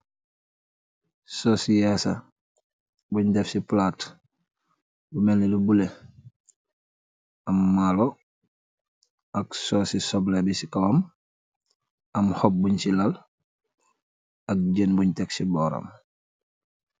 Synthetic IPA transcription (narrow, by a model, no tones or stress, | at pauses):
soːsijasa | buɲdɛfsiplaːt | bumenelubule | amːalo | aksosisoblebisikawam | amhop̚buɲsilal | ak̚ɟenbuɲteksibɔːɾa̰m